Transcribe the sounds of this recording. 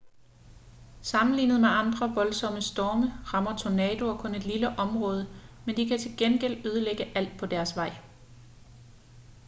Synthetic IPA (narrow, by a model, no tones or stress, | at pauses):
sɑ̈mn̩lḭːnð̞̩ˠmeɑ̈nd̥ʁɐʋɒ̽lsɒ̽məsd̥ɒːməʁɑ̈mɐt͡sʰonɛːd̥o̝ɒkʰɔ̽ne̝d̥liləʔɒ̽mʁɔ̽ːð̞ˠəmend̥ikʰæt͡sʰe̝lɡ̥enɡ̥el̰øːð̞ˠəleɡ̥əʔæl̰d̥̚pʰɒ̽d̥æɐsʋɑ̈ɪ̰